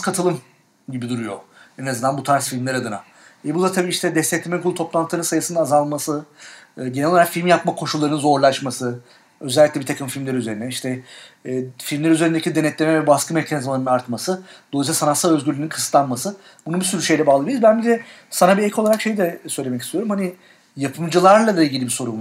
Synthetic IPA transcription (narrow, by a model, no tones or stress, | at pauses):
kʰat̪ʰɯlˠɯm | ɟibid̪uɾujo̞̰ɛnaznd̪anbut̪ʰaɾsfilʲmlʲæɾad̪ɯna̰ | ɛbud̪at̪ʰabiːiʃt̪ʰɛd̪ɛst̪ɛclʲiemɛkʰulˠut̪ʰo̞plˠant̪ʰɯnɯnsajɯsɯnd̪aːzalˠmasɯː | ɟenɛlʲoɾakfilʲmjap̚makʰo̞ʃulˠːaɾnɯnzo̞ɾlˠaʃmasɯ | øzɛlʲːiclʲɛbit̪ʰakʰɯmfilʲmlʲeɾiyze̞ɾinɛiʃt̪ʰɛː | filʲmlʲæɾyze̞ɾind̪ecid̪e̞nɛt̪lʲemɛvɛbaskɯme̞cʰanizmalˠaɾɯnaɾt̪masɯd̪olˠisasanat̪salˠø̞zɟyɾlyninkʰɯ̥st̪lˠanmasɯ | bunubisyɾyʃe̞jlʲɛbaːlˠabijiɾuzbænbizɛ | sanabiɛcʰoaɾakʃe̞jid̪ɛsø̞jlʲemɛc̬ist̪ʰijo̞ɾumhani | japʰɯmd͡ʒɯlˠaɾlˠad̪ailʲɟʲilʲibiso̞ɾum